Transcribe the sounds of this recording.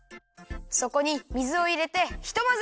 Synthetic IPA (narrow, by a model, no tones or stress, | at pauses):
so̞ko̞ɲ̟imʲizɨo̞iɾe̞t̪e̞çi̥t̪o̞maz